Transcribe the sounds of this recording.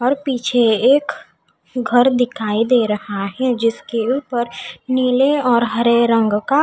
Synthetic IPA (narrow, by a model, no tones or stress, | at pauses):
ɔːɾpiːt͡ʃʰeeːk | ɡʱəɾd̪ɪkʰaːid̪eːɾɐhaɦɛd͡ʒɪskeuːpəɾniːleɔːɾɦɐɾeɾə̃ŋɡka